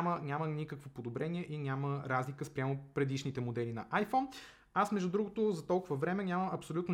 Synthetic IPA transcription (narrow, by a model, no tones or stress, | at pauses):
mənʲamənʲikəkvopod̪obɾɛniɛʔinʲaməɾazlikəspɾʲamopɾɛd̪iʃnit̪ɛmod̪ɛlinɐ̰ʔajfɔn | asmɛʒd̪ud̪ɾuɡʊt̪ʊzɐt̪ɔlˠkʊvəvɾɛmɛnʲamɐmɐpsolʲut̪n